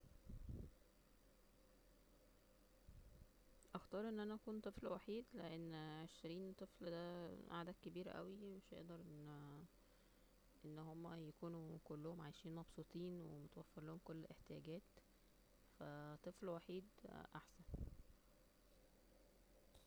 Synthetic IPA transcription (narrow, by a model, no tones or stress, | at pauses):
ʔɑxt̪ɑːɾˤʔenːʔænæʔækuːnt̪ˤeflwaħiːd̪leʔenːʕeʃɾiːnt̪ˤefld̪æʔa̰ʕd̪æːd̪̚kebiːɾæ̰ʔæ̰wimeʃʔḛʔd̪ɑɾˤʔenː | ʔenːhomːæjækuːnukolːohomʕajʃiːnmɑbsˤut̪ˤiːnwḛmot̪wæfːeɾlohomkolːlʔeħt̪ejæɡæːt̪ | fæt̪ˤeflwaħiːd̪ʔaħsæn